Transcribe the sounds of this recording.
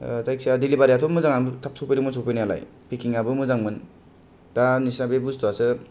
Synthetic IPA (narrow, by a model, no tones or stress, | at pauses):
tajksadilibaɾjatʰomɯzaŋatʰap̚sʰopiɾɯŋmɯnsʰopinajala̰j | pikiŋabɯmɯzaŋmɯn | tanisabebuztoasɯ